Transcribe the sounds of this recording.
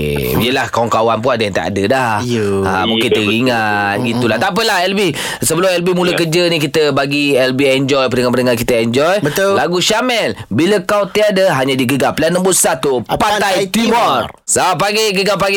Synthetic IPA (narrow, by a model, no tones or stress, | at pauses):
ijəlahkawaŋkawanp̬uadəant̪a̰ʔa̰dədaha̰muŋkɪnt̪əɣiŋat̪̚ɡit̪ulaht̪ap̬əlahɛlbɪh | səbəlʊmɛlbimuləkəd͡ʒənikit̪əbaɡiɛlbiɛnd͡ʒɔjpənəŋapənəŋakit̪əɛɲd͡ʒɔjbəlaɡuʃamɛlbiləkawt̪iadəɦaɲadiɡəɡaplanənbusat̪upat̪ajt̪imɔrsabapaɡeɡəɡapaɡ